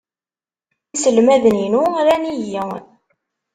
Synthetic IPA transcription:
isəlmæðəninuɾænijə

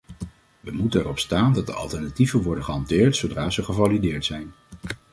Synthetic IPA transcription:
ʋəmutənɛrɔpstaːndɑt̚də̰ɑ̰lˠtɛɹnativənʋɔɹdənχəɦɑntɪːɹtsowdraːzəχəvalidɪːɹtsɛjn

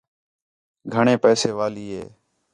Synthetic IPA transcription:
ɡʱəɳeːpɛːseːʋaːliːɦḛː

